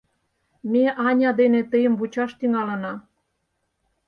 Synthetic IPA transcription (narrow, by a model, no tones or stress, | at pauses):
mʲeʔɑnʲɑd̪enet̪əjə̆mβut͡ɕɑʃt̪yŋɑlə̆nɑ